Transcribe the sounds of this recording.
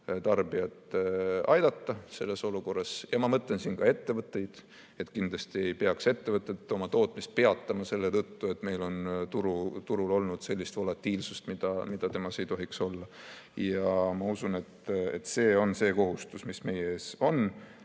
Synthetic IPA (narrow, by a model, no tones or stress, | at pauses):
t̪ɑrbiɑt̪ɑjd̪̥ɑt̪ːɑse̞lːe̞so̞luko̞rːɑsjɑmɑmɤt̪ˑlensinkɑe̞t̪ːe̞vɤt̪ːˑe̞jd̪̥ | e̞t̪ˑkind̪̥lɑst̪ie̞jpe̞ɑkse̞t̪ːe̞vɤt̪ˑːe̞t̪ːˑo̞mɑt̪o̞ːt̪ˑmist̪̚pe̞ɑt̪ːɑmɑse̞lːet̪ɤt̪ːue̞t̪ːˑme̞jlo̞nt̪uɾut̪uɾulo̞lnud̪̥se̞lʲːist̪vo̞lɑt̪ːˑiːlsust̪mid̪̥ɑmid̪̥ɑt̪e̞mɑse̞jt̪o̞ɦikso̞lːɑ | jɑmɑusune̞t̪ḛt̪ːse̞ːo̞nse̞ːko̞ɦust̪usmisme̞jeeːso̞n